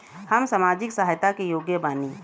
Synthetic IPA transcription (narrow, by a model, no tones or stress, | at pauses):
həmsamaːd͡ʒɪksəɦajt̪akejoɡjəbaːni